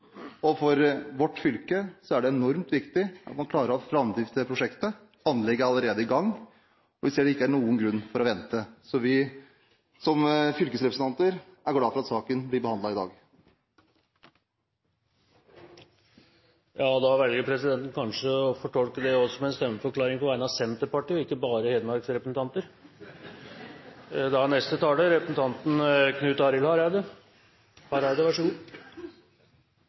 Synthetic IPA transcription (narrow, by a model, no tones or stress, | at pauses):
ɔfɔɾʋɔʈːfʏlkəsɔæɖɛɛnɔɾmt̪ʋɪkt̪ɪʔɑt̪mɑnklɑːɾəɾɔfɾɑmd̪ɾɪft̪ʰpʰɾʊʂɛkt̪ə | ɑnːlɛɡːəɑlːəɾeːd̪əɪɡɑŋː | ɔʋɪseːɖɛɪkːəæɳuːənɡɾʉnːfɔɾɔʋɛnt̪əsɔʋɪ | sɔmfʏlkəsɾɛpɾsn̩t̪ʰɑnt̪əɾæɾɡɽɑːfɔɾɑt̪sɑːkənblɪɾbəhɑnd̪ɑɪd̪ɑ̰ːɡ | jɑːd̪ɑʋɛlɡəɾpʰɾɛsɪd̪ɛnt̪n̩kʰɑnʂəɔfɔʈʰɔlkəd̪ɛɔsɔmɛɛnst̪œmːəfɔɾklɑːɾɪŋpɔʋæɪnɑʋsɛnt̪əpɑʈiːɔɪkːəbɑːɾəheːd̪əmɑɾksɾɛpɾəsn̩t̪ʰɑnt̪əɾ | d̪ɛnɛst̪ət̪ʰɑːləɾɛpɾəsn̩t̪ʰɑnt̪n̩kʰnʉːt̪ɑːɾɪlhɑɾæɪd̪ə | hɑɾæɪd̪əʋæʂuː